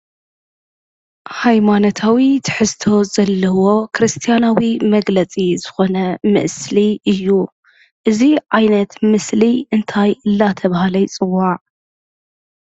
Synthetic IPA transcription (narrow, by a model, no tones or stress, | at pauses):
hajmanot̪ʰawit̪ʰɨ̥ħɨzt̪ʰo̞zɐlːɐwo̞kʰɾɨst̪ʰijanawimɐɡlɐt͡sʼizɨxo̞nɐmɨ̰ʔsliɨjːu | ʔɨziʕajnɐt̪mɨsliɨnt̪ʰajʔɨlːat̪ʰɐβahalɐjt͡sʼɨwːaʕ